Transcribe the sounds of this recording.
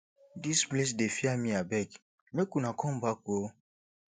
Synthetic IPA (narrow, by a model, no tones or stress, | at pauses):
disples̬defiamĩabɛk | mekunakɔ̃mbako